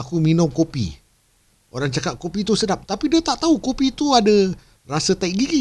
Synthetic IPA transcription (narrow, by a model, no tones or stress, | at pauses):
akuminʊŋkopḭ | o̰ɾaŋt͡ʃakaʔ̪̚kopit̪usədap̚t̪apidiət̪aʔt̪aukopit̪uadə | rasət̪aik̚ɡiɡi